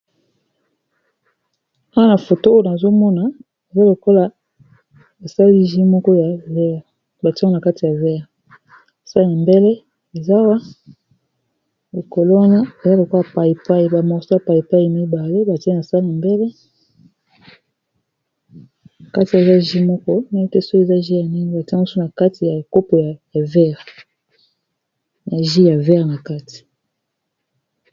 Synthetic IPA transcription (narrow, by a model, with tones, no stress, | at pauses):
a˦wa˦˨na˨fo˨to˦o˦jo˦na˨zo˦mɔ˦na˨ | a˨za˦lo˨ko˦la˨ | e˨sa˦li˦ʒi˦mɔ˦kɔ˦ja˨vɛ˦˨ | ba˨ti˦na˨ka˦ti˨ja˨vɛ˦˨ʁ | a˨sa˦li˦a˨mbe˦lɛ˦ | e˨za˦wa˦ | bo˨ko˨lo˦wa˦na˦e˨za˦bo˨ko˦a˨pa˨ji˨pa˦jba˨mɔ˨sa˦pa˨ji˨pa˦i˨mi˦ba˨le˦ba˨tna˨sa˦li˦a˨mbe˦lɛ˦ | a˨ka˦ti˨ja˨za˦ʒi˦mɔ˦kɔ˦ne˦tɛ˦so˦e˨za˦ʒi˦ja˨ni˦ŋɡe˦ba˨tmu˦su˦na˨ka˦ti˨ja˨ko˦po˨ja˨ja˨vɛ˦ʁ | na˨ʒi˦ja˨vɛ˦ʁna˨ka˦ti̥˨